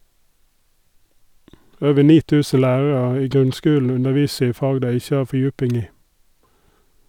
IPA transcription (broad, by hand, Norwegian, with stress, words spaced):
ˈøːʋə ˈɳiː ˈtʉːsə ˈlæːɹɹ̩ɑ ˈiː ˈɡʁʉnˌskʉːln̩ ˈʉnəˌʋiːsə ˈiː ˈfɑːɡ ˈdæɪ ˈɪçə ˈɑː fɔˈjʉːpɪŋ ˈiː